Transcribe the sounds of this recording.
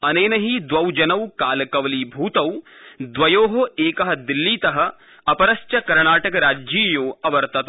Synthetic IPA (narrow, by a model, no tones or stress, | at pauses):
ɐneːnɐɦid̪ʋɐwd͡ʒɐnɐwkaːlɐkɐʋɐliːbʱuːt̪ɐwd̪ʋɐjoːɦoeːkɐɦɐ̆d̪ilːiːt̪ɐɦɐ̆ | ɐpɐɾɐst͡ʃɐkɐɾɳaːʈɐkɐɾaːd͡ʒiːjoːɐʋɐɾt̪ɐt̪